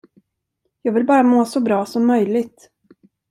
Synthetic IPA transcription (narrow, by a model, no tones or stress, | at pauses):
jɑːɡvɪlbɑːɾamoːsɔbɾɑːsɔmːœjlɪɡt̪